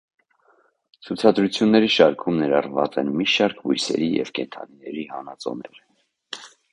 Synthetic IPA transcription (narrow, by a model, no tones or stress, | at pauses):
t͡sʰut͡sʰɑd̪ɾut͡sʰjunːɛɾiʃɑɾkʰumnɛɾɑrvɑt͡sɛnmiʃɑɾkʰvujsɛ̰ɾijɛ̰vkɛnt̪ʰɑ̰ninɛɾihɑnɑt͡sɔ̰nɛɾ